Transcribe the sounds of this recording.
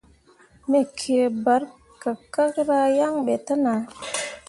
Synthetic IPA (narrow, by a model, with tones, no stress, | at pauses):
me˨kʰe˨ba˨˦ɾ | ka˨ka˦kɾa˧ja˦ŋɓe˨ta˦na˨